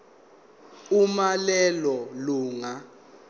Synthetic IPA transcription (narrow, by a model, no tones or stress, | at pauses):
umalɛlɔluːŋa